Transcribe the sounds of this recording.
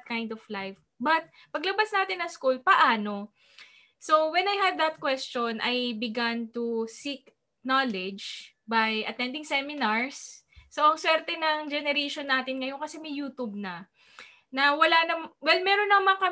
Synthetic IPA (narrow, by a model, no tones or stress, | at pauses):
t̪̚kajnd̪ɔflajf | bɐt̪̚ | pɐɡlɐbasnaːt̪ɪnːɐŋskulpɐʔaːno̞ | sowɛnɐjhɐd̪̚d̪ɐt̪̚kwɛst͡ʃonʔɐjbɪɡant̪usik̚ | nalɛd͡ʒ | bajʔɐt̪ɛnd̪ɪŋsɛmɪnaɹsː | oʔɐŋswɛɾt̪ɛnɐŋd͡ʒɛnɛɾeʃonːaːt̪ɪnŋɐjo̞nkɐsɛmɐjuːt̪ub̚nɐ | nɐwɐlanɐmwɛlmɛɾonːɐmaŋmɐŋɐkɐ